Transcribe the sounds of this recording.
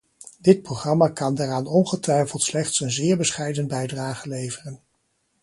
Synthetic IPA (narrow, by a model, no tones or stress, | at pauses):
dɪt̚proχrɑmakɑndaːraːnɔnχətʋɛjfəlˠtslɛχtsənzɪːɹbəsχɛjdənbɛjdraːχəlejvərən